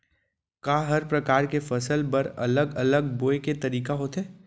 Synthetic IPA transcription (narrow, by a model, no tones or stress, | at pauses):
kaːɦɐɾpɾɐkaːɾkefɐsəlpɐɾɐ̰ləɡɐləɡboːeket̪ɐɾiːkaɦoːt̪ɦɛː